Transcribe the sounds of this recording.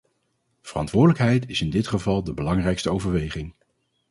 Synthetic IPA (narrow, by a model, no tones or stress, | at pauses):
v̥ərɑ̰ntʋʊːɹdələkɦɛjtɪsɪndɪtχəvɑlˠdəbəlɑŋrɛjkstəowvəɹʋejχɪŋ